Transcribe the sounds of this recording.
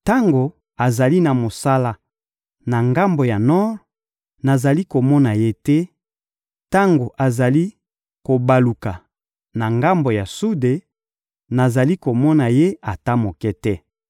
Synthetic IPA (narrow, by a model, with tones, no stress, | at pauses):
ta˦ŋɡo˨ | a˨za˨li˦na˨mo˨sa˦la˦ | na˨ŋɡa˦mbo˨ja˨nɔ˦ʁ | na˨za˨li˦ko˨mɔ˦na˨je˦tɛ˦ | ta˦ŋɡo˨ʔa˨za˨li˦ | ko˨ba˨lu˨ka˨ | na˨ŋɡa˦mbo˨ja˨su˦de˨ | na˨za˨li˦ko˨mɔ˦na˨je˦a˨ta˦mo˨kɛ˦tɛ˦